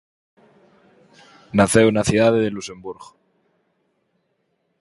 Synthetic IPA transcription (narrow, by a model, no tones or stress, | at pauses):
naθewnaθjuðaðeðeluse̞mbuɾɣo